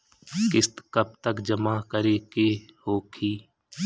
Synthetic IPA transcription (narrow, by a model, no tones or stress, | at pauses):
kɪst̪kəb̚t̪əkd͡ʒəmakəɾeːkehoːkʰiː